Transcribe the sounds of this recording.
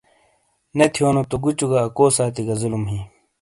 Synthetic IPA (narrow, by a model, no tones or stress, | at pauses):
net̪ʰijoːnot̪oɡut͡ɕuɡaːkoːsaːt̪iɡɐzulumɦi